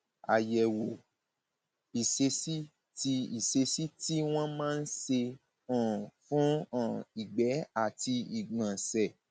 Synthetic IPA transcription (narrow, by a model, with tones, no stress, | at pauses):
a̰˨jɛ˨wo˨ | i˨se˧si˦ | ti˧i˨se˧si˦ti˦w̃ɔ̃˦mãː˦˧n̩˦se˧ | ã˨fũ˨˦ã˦˨i˨ɡ͡bɛ˨˦a˦˨ti˧i˨ɡ͡bã˨sɛ˨